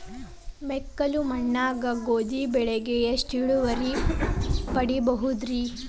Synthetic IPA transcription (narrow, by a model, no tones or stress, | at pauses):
mɛkːɐlumɐɳːaːɡɐɡoːd͡ʒibɛɭeɡejɐsʈiɭuʋɐɾi | pɐɽibɐɦud̪ɾi